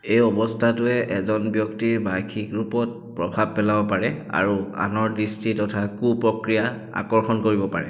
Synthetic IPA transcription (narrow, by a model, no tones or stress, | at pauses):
ejɔbɔstʰatʊɛʔɛzɔnbjɔktiɹbajkʰikɹupɔt̚pɹɔbʱab̚pɛlabɔpaɹɛa̰ɹua̰nɔɹdistitɔtʰakupɹɔkɹija | a̰kɔɹxɔnkoɹibɔpaɹɛ̰